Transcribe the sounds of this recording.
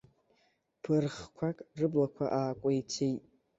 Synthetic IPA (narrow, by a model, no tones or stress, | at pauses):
pʰɨrχkʷʰakʼrɨblakʷʰa̰ʔaːkʷʼajt͡sʰejtʼ